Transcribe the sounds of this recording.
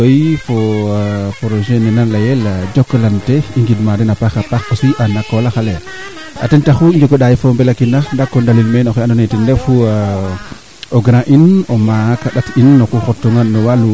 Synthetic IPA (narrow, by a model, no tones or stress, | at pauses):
ojfo | pɾoʒenenanlajɛlad͡ʒokːlanteiŋɡidmadɛnapaxapaxosiʔanakolaxale | a̰tentaxuid͡ʒokoɗajifombɛlakinaxndakːondalilmenoxanonetindɛfu | oɡɾãʔinomakaɗatinːokuxotːuŋanːɔwalu